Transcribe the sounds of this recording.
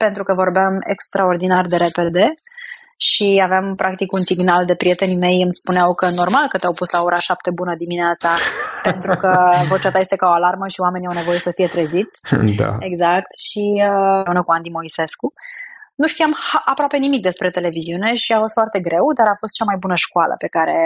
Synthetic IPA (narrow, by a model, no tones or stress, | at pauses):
pe̞nt̪ɾukəvo̞rbeame̞̰kst̪ɾao̞rd̪inard̪e̞ɾe̞pe̞d̪e̞ | ʃiaveampɾak̚t̪ikunsiɡnald̪e̞pɾije̞t̪e̞nime̞jɨmspuneawkəno̞rmalkət̪eawpuslao̞ɾaʃap̚t̪e̞bunəd̪imineat̪sape̞nt̪ɾukəvo̞t͡ʃat̪ajest̪ekaoalarməʃiwame̞niawne̞vo̞je̞səfije̞t̪ɾəzit̪sʲd̪a̰eɡzak̚t̪ʃiəeunəkuand̪imo̞ise̞skunuʃt̪iamhaʔapɾoape̞nimik̚d̪e̞spɾe̞t̪e̞le̞viziune̞ʃiafo̞st̪foart̪e̞ɡɾe̞wd̪aɾafo̞st̪̚t͡ʃamajbunəʃkualə̰pe̞kaɾe̞